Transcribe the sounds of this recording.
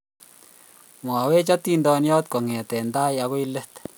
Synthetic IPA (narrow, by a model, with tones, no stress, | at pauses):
mwa˨we˦t͡ʃɔ˦t̪i˦ndɔ˧njɔ˦t̪̚kɔ˨ŋɛ˨tɛ˨nda˦ja˨˦ko˦i˦lə˦t̪